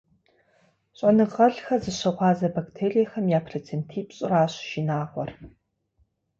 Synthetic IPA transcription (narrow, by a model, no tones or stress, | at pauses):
ɕʼɐnɨʁɐɮxɐzɨɕɐʁʷɑːzɐbaktʰeːrijɛxɐmjaːpʰret͡sʰentʰiːpɕʼɪraːɕʒinaːʁʷɔ̰r